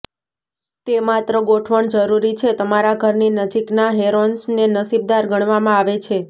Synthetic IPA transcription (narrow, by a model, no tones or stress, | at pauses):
t̪emat̪ɾəɡoʈʰʋəɳd͡ʒəɾuɾit͡ʃʰet̪əmaɾaɡʱəɾninəd͡ʒiknaɦeɾonsnenəsib̚d̪aɾɡəɳ̃ʋamãaʋet͡ʃʰe